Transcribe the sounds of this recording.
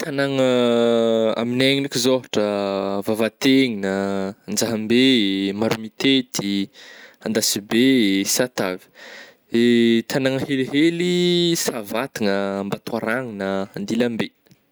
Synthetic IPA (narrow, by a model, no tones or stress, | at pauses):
t̪ʰanaŋə | a̰mineŋinikʲizoɦaʈ͡ʂəvavat̪eŋinənd͡zaɦambemaɾumit̪et̪i | and̪asibesat̪avi̥ | et̪ʰanaŋəheliɦelisavat̪iŋəːmbat̪waɾaŋinəːnd̪ilambe